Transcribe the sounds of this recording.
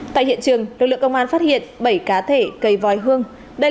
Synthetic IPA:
t̪a̰ː˧˨jhḭ˧˨ənt͡ɕɨ˨˩əŋlɨ˨˩k̚lɨ̰˧˨ə˨kə˧wŋ͡mʔaː˧nfaː˦˥t̚hḭ˧˨ənɓə˧˩jkaː˨˦t̪ʰe˧˩kə˨˩jvɔ˨˩jɦɨ˧əŋ | ɗə˧

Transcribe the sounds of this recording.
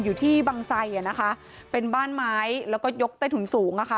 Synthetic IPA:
juː˨˩t̪ʰiː˥˩baː˧ŋsa˧jʔa˨˩na˦˥kʰa˦˥ʔ | pe˧nbaː˥˩nmaː˦˥jlɛː˦˥wkɔː˥˩jo˦˥k̚t̪a˥˩t̪ʰu˩˦nsuː˩˦ŋʔa˨˩kʰa˦˥˩

